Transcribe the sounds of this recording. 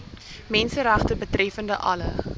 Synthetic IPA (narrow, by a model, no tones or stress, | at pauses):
mɛnsəɾæχtəbətɾɛfəndəʔɐlə̰